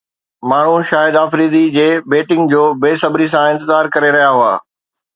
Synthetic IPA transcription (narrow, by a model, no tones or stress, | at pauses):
maːɳ̤uʃaːjɪd̪aːfɾiːd̪id͡ʑeːbeːʈɪ̃ŋɡd͡ʑoːbeːsɐbɾisãɪ̃nt̪ɪzaːɾkɐɾeɾɐɦjaɦʊa̰ː